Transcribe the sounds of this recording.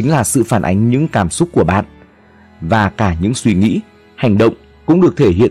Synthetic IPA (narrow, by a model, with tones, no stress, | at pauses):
i˨˦ŋ̟laː˨˩sɨ̰˧˨faː˧˩nʔa˨˦jŋ̟ɲɨ̰˧˥ŋkaː˧˩msʊ˦˥k͡p̚ku˧˩əɓa̰ː˧˨n | vaː˨˩kaː˧˩ɲɨ̰˧˥ŋswi˧˦ŋḭ˧˥ | ha˨˩jŋ̟ɗə̰˧˨wŋ͡m | kʊ̰˧˥ŋ͡mɗɨ˨˩ək̚t̪ʰe˧˩ɦḭ˧˨ə